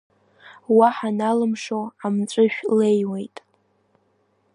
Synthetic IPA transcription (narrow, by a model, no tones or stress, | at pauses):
waħanalɨmʂoamt͡sʷʼɨʃᶣle̞jwe̞jtʼ